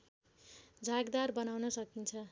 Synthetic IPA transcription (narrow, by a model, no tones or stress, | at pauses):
d͡zʱaɡd̪arbʌnawnʌsʌkint͡sʰʌ